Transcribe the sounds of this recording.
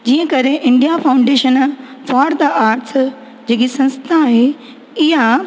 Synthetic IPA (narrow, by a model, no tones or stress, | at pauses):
d͡ʑiːə̃kɐɾeʔɪ̃ɳɖijafʰaːʊ̃ɳɖeːʃən | faːɾd̪aʔaːɾʈs | d͡ʑeːkisɐ̃nst̪ʰaɦe | ɪɦa